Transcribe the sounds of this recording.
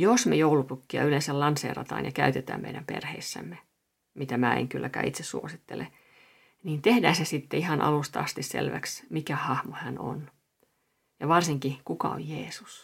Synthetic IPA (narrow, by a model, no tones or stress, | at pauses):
josmejoulupukːiɑ̰ylensællɑnsḛːrɑ̰t̪ɑ̰ːnjɑkæyt̪et̪æ̰ːmmeijdæmperheisːæ̰mːe | mit̪æmæːḛŋkylːʔækæ̰ːit̪sessuosit̪ːele | niːnt̪ehdæːnsesit̪ːeihɑnʔɑ̰lust̪ɑɑst̪issḛlʋæksmikæhɑhmohæno̰n | jɑʋɑrsiŋkikukɑo̰jjeːsu̥s